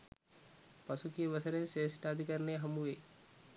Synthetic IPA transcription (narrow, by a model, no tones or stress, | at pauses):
pɐsukieʋəsəɾeseːsʈad̪ʱikəɾneɦɐmuʋeː